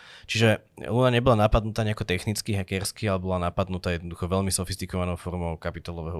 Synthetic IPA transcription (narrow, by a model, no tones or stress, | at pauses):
t͡ʃiʒɛ | lunaɲɛbɔlanapad̪nut̪aːɲɛakɔt̪ɛxnit͡skiɦɛkɛɾskialɛbɔlanapad̪nut̪aːjɛd̪nɔd̪uxɔʋɛʎmisɔfist̪ikɔʋanɔʊfɔɾmɔʊkapit̪alɔʋɛɦɔ